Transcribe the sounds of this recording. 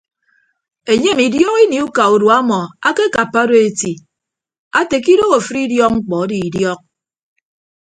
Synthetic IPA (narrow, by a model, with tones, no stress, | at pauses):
e˨ɲe˦mi˨djɔ˦ɣi˦ni˨u˦ka˨u˨dwa˦mɔ˨a˦ke˦ka˨pːa˦do˦e˦˨ti˨ | a˦te˨k̬i˦do˦ɣo˨fɾi˦djɔ˦k̚ŋ͡m̩˦k͡pɔ˨˦di˨i˨djɔ˦k̚